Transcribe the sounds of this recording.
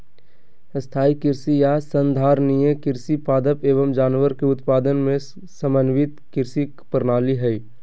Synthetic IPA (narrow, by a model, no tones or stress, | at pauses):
st̪ʰaːikɪɾsijasənd̪ʱaːɾnijekɪɾsipaːd̪əpeːʋəmd͡ʒaːnʋəɾkeʊt̪paːd̪ənmẽ | səmənʋɪt̪kɪɾsi | pəɾnaːliɦɛi